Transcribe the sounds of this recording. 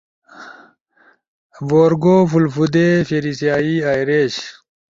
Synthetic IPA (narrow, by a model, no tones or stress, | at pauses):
boːɾɡoːfulfud̪efiɾisjaːiaːjɾeːɕ